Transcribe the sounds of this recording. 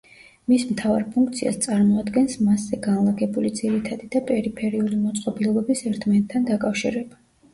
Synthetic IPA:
mismt̪ʰavaɾpʰuŋk̚ʰt̪sʰia̰st̪sʼaɾmɔad̪ɡɛnsmaszɛɡanlˠaɡɛbulid̪ziɾit̪ʰad̪id̪apʼɛɾipʰɛɾiulimɔt̪sʼqʼɔbilˠɔbɛbisɛɾt̪ʰmanɛt̪ʰːand̪akʼafʃḭɾɛba

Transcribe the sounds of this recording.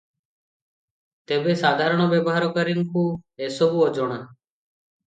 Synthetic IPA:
t̪ebesad̪ʱaɾɔɽ̃ɔbjebɔɦaɾɔkəɾiŋkuesobuɔd͡ʒoɽ̃a

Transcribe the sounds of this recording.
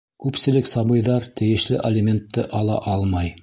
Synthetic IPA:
kʉpsɘ̆lɘksɑbɤ̆jðɑɾt̪ɘ̆jɘ̆ʃlɘʔɐlʲɪmʲent̪ːɤʔɑlˠɑ̰ʔɑlˠmɑj

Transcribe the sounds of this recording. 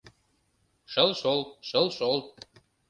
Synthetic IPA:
ʃə̆lʃolʃə̆lʃol̚

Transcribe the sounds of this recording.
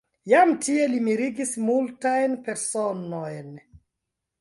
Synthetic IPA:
jamtʰie̞limiɾiɡismultajnpe̞ɾsonojn

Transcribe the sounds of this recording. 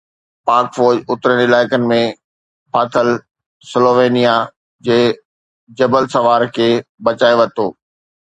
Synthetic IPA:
paːɾkfɔːɾd͡ʑʊt̪ɾənɪlaːɪkənɪ̆mẽ | paːt̪ʰəl | sɪloːʋeːnija | d͡ʑeː | d͡ʑɐbəlsɐʋaːɾkʰeːbɐt͡ɕaːeʋɐt̪oː

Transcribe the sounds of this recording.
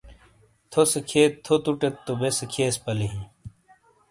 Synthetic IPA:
t̪ʰosekʰeːt̪ʰːot̪uʈet̪ːobesekʰeːspɐleɦĩ

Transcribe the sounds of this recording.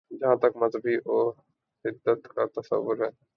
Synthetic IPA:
d͡ʒɐɦãt̪ɐkmɐzbiʔoː | sɪd̪ːət̪kat̪ɐsə̰ʋːʊɾɦɛː

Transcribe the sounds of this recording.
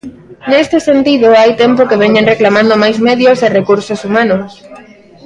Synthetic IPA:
nest̪ɪsent̪iðoajt̪empokeβɛɲenreklamãnd̪omajzmeðjoserekuɾsosumanos

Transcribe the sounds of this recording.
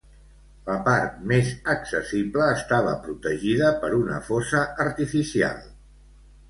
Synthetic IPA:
ləpaɾt̪̚mezəksəsibləːst̪aβ̞ə̰pɾut̪əʒiðəpəɾunə̰fosəːɾt̪ifisia̰lˠ

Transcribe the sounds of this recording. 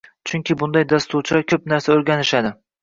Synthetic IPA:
t͡ʃʰʊŋkʲɪbʊnd̪ajd̪ast̪ʰuɾt͡ʃʰɾakʲʰɵpn̪aɾsaɵɾɡʲanɪʃad̪ɪ

